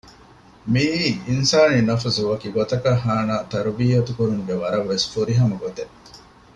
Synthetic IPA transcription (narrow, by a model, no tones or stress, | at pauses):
miːinsaːninɐfɐsuʋɐkiːɡot̪ɐkɐɦːaːnaːt̪ɐɾubiːɐt̪ukuɾuŋuɡeʋɐɾɐʋːesfuɾiɦɐmɐɡot̪e